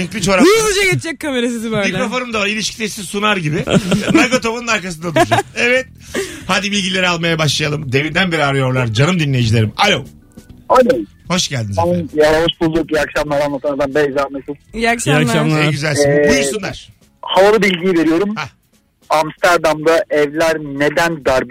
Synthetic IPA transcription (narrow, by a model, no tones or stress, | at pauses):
ɛɲclʲit͡ʃo̞ɾalˠud͡ʒaɡet̪d͡ʒɛkkʰːameɾesid̪bømiklʲɾo̞fo̞numd̪avaɾilʲiʃcʰʲi̥t̪ʰesizsunaɾɟibɪmaɡot̪ʰobanɯnaɾkas̬ɯnd̪ad̪uɾud͡ʒakevɛt̪̚ | had̪ibilʲɟilʲe̞ɾialˠmajabaʃlˠajalˠɯmd̪e̞vind̪ænbiɾiaɾɯjo̞ɾlˠaɾd͡ʒanɯmd̪inlːʲe̞jid͡ʒilʲe̞ɾimalʲow | alʲow | ho̞ʃɟælʲd̪inzanjalˠaβaʃbulˠukiakʃamlˠaɾanˠat̪ʰɯnaɾd̪anbɛzaɾmeʃukakʃakʃamˠeɟyzælʲinbujuɾsund̪aɾ̥ | havalɯbilʲɟijiveɾijo̞ɾumha | amst̪ʰaɾd̪amd̪aʔɛvlʲæɾned̪ænd̪aɾb